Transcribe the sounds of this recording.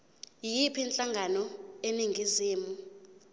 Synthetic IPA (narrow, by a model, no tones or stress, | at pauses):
jipʰint͡ɬʼaŋɡʱanɔeniŋɡʱiziːmu